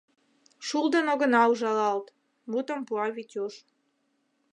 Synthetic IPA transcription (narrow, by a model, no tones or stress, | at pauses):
ʃulˠd̪ə̆noɣə̆nɑuʒɑlɑlt̪ | mut̪ə̆mpuɑβit̪ʲoʃ